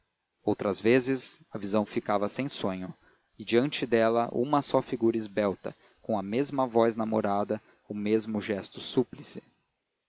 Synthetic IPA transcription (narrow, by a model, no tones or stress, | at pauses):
owt̪ɾɐzvezɪzɐvizɐ̃w̃fikavɐsẽj̃sõɲʊ | ɪd͡ʒiɐ̃nt͡ʃɪd̪ɛlɐ̰ʔṵ̃mɐsɔfiɡuɾɐizbɛwt̪ɐ̰ | kõw̃ɐmezmɐvɔjznamoɾad̪ɐ | ʊmezmʊʒɛst̪ʊsuplisɪ̥